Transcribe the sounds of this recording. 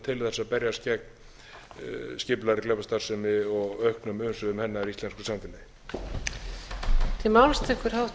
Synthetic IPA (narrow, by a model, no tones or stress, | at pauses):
t̪ʰɪlθɛsaðpɛɾjascɛk̚n | scɪplaɾɪklɛpast̪ar̥sɛmɪɔɣœɥhknʏmʏnsʏðʏmhɛnːaɛɾist̪ɛnskʏ̥samt̪ʰɪnːa | t̪ʰimawlst̪ʰɪhkʏɾ̥hawh